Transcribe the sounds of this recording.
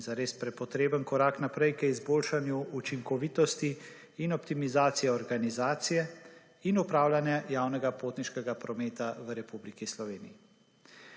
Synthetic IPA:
zaɾeːspɾɛpɔt̪ɾeːbənkɔɾaːknapɾɛjkəizboːlʃanjuut͡ʃiŋkɔʋiːt̪ɔst̪iː | nɔpt̪imizaːt̪sijɛɔɾɡanizaːt̪sijɛ | inupɾaːwlʲanjajaːwnɛɡapoːt̪niʃkɛɡapɾɔmeːt̪aʋəɾɛpublikislɔʋeːnii

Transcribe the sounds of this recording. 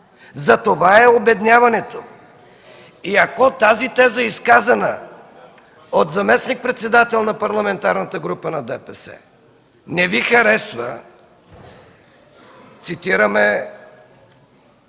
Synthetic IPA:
zɐt̪ovaɛobɛd̪nʲavɐnɛt̪o | iɐkot̪azit̪ɛzəiskazɐnə̰ | ot̪zɐmɛsnik̚pɾɛt̪sɛd̪at̪ɛlˠnɐpɐɾlˠɐmɛnt̪aɾnət̪əɡɾupənɐd̪ɛpɛsɛ̰ | nɛvixɐɾɛsvə̰ | t̪sit̪iɾəmɛ

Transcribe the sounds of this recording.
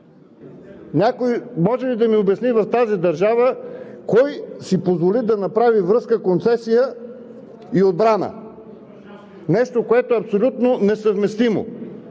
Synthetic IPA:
nʲakojmɔʒɛlid̪ɐmiobɐsnivɐft̪azid̪ɐɾʒavəkɔjsipozvolid̪ɐnɐpɾavivɾɤskəkont̪sɛsijə | iod̪̚bɾanə̰ | nɛʃt̪okoɛt̪oɛɐpsolʲut̪nonɛsəvmɛst̪imo̰

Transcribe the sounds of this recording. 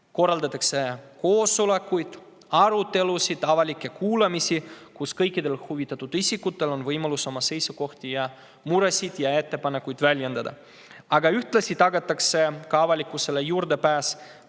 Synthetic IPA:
ko̞rɑld̪ɑt̪ːˑɑkse̞ko̞ːsule̞kːujd̪̥ | ɑɾut̪ːe̞lusid̪̥ɑvɑlʲikːe̞kuːlemisʲikuskɤjkːˑid̪e̞lhuvit̪ːˑɑt̪ːˑud̪̥isʲikːut̪ːˑe̞lo̞nvɤjmɑluso̞mɑse̞jsuko̞ht̪ijɑ | muɾe̞sʲid̪̥jɑe̞t̪ːe̞pɑnekːˑujd̪̥vælʲje̞nd̪̥ɑd̪̥ɑ̰ | ɑɡɑyht̪lɑsʲit̪ɑɡɑt̪ːˑɑkse̞kɑɑvɑlʲikːˑuse̞lejuːrd̪e̞pæːs

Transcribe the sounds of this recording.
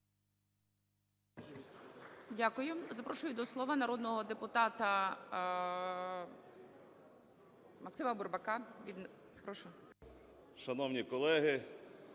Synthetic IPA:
dʲakʊjʊzɐpɾɔʃʊjʊd̪ɔslˠɔʋɐnɐɾɔd̪nɔɦɔd̪epʊt̪ɑt̪ɐ | mɐksɪmɐbʊrbɐkɑʋʲid̪ | pɾɔʃʊ | ʃɐnɔwnʲikɔlˠɛɦɪ

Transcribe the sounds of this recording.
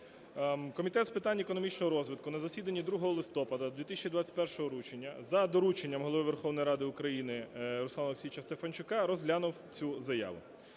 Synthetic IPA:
kɔmʲit̪ɛt̪spɪt̪ɑnʲːekɔnɔmʲit͡ʃnɔɦɔɾɔzʋɪt̪̚kʊnɐzɐsʲid̪ɐnʲːid̪ɾuɦɔɦɔlˠɪst̪ɔpɐd̪ɐd̪ʲʋʲit̪ɪsʲt͡ʃʲid̪ʋat͡sʲɐ̥tʲpɛrʃɔɦɔɾut͡ʃenʲːɐzɐd̪ɔɾut͡ʃenʲːɐmɦɔlˠɔʋɪʋe̞rxɔwnɔjɾɑd̪ɪʊkɾɐjinɪɾɔsˠɑnlˠksʲijt͡ʃɐst̪efɐnt͡ʃʊkɑɾɔzɦlʲanʊwt͡sʲuzɐja̰ʋʊ̰

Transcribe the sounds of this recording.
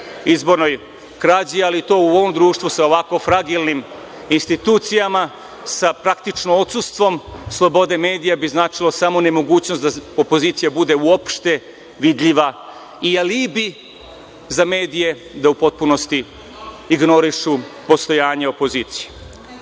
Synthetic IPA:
izbo̞ɾnoj | kɾaːd͡ʑialit̪o̞ːuoʋomd̪ɾuːʃt̪vʋusao̞ʋako̞fɾaɡilˠnim | inst̪it̪uːt̪sijama | sapɾakt̪it͡ʃnoot̪sust̪ʋo̞mslˠo̞bo̞d̪e̞me̞ːd̪ijabiznaːt͡ʃilˠosamo̞ne̞mo̞ɡuːt͡ɕnosd̪aopo̞ziːt̪sijabud̪e̞uopʃt̪e̞ | ʋid̪ʎiʋa | ialibi | zame̞ːd̪ije̞ | d̪aupo̞t̪̚puno̞st̪i | iɡno̞ɾiʃupo̞st̪o̞jaːɲe̞opo̞ziːt̪sije

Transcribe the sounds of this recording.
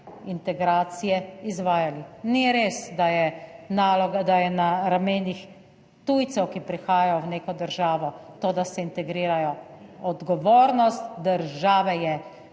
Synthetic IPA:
int̪ɛɡɾaːt̪sijɛizʋaːjaliniɾeːsd̪ajɛnaːlɔɡad̪ajɛnaɾameːnix | t̪ujt̪sɛwkipɾixaːjajɔwneːkɔd̪əɾʒaːʋɔt̪oːd̪asɛint̪ɛɡɾiːɾajɔɔd̪ɡɔʋoːɾnɔst̪d̪əɾʒaːʋɛjɛ

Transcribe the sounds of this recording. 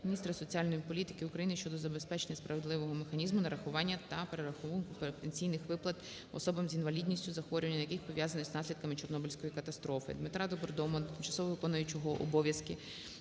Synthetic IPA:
mʲnʲist̪ɾɐsɔt͡sʲialʲnɔjipɔlʲit̪ɪ̥kɪukɾɐjinɪʃt͡ʃɔd̪ɔzɐbe̞spɛt͡ʃenʲːɐspɾɐʋed̪ˠɪʋɔɦɔmexɐnʲizmʊnɐɾɐxʊʋɑnʲːɐt̪ɐpeɾeɾɐxuʋɐkʊpt̪enʲt͡sʲijnɪxʋɪplˠɐt̪ | ɔ̰sɔbɐmzʲinʋɐlʲid̪ʲnʲisʲtʲʊzɐxʋɔɾʲʊʋɐnʲɲːɐɐjɐkɪxpɔʋʲjazɐnɪznɑsʲlʲid̪̚kɐmɪt͡ʃɔrnɔbulʲsʲkɔjikɐt̪ɐst̪ɾɔfɪ̰d̪mɪt̪ɾad̪ɔbɔrd̪ɔmɔt̪ɪmt͡ʃɐ̥sɔʋɔʋɪkɔnʊjʊt͡ʃɔɦɔʔɔ̰bɔʋʲjɐskɪ

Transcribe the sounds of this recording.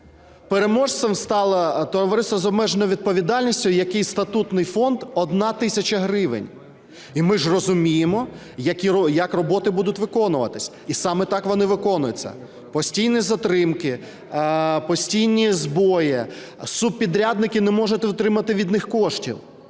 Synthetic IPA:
peɾe̞mɔʒsʋɛmst̪ɑlˠɐt̪ɔɔʋɔɾɪsɐzɔbmɛʒenɔjʋʲid̪̚pɔʋʲid̪ɑlʲnʲisʲtʲʊjɐkɪjst̪ɐt̪ut̪nɪjfɔnd̪ɔd̪nɑt̪ɪsʲɐt͡ʃɐɦɾɪʋɪ̰nʲ | imɪʒrɔzʊmʲijɪmɔ | jɐkʲiɔjɐkrɔbɔt̪ɪbud̪ʊtʲʋɪkɔnʊʋɐ̰t̪ɪsʲ | isɑmɛt̪ɑkʋɔnɪʋɪkɔnʊjʊt͡sʲːɐ̰ | pɔsʲtʲijnizɐt̪ɾɪmkɪ | pɔsʲtʲijnʲizbɔjɪ | sub̚pʲid̪ɾʲad̪nɪkɪnɛmɔʒʊt̪ʊt̪ɾɪmɐt̪ɪʋʲid̪nɪxkɔʃtʲḭw

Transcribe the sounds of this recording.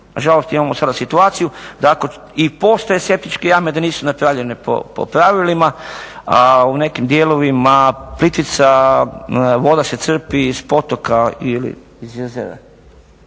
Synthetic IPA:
naʒalost̪imamosad̪asit̪uaːt̪sijud̪ako | ipo̞ːst̪ajeske̞p̚t̪it͡ʃkejamed̪aniːsunapɾaʋʎe̞nepo̰po̰pɾaʋilimaaune̞kimd̪jeːlo̞ʋimaplit̪it̪sa | ʋo̞d̪ase̞t̪sr̩piːzpo̞t̪o̞kailḭ | izjezḛʋḛ

